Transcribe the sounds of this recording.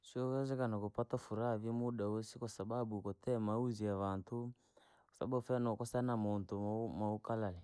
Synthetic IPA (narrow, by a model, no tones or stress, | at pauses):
sɔɣɛzɛkanakopatafuɾavimuɗawɛsikasaɓabukɔtɛmauziaβantʰu | kɔ̥sa̰ɓafɛnɔkɔsanamontumaukalalɛ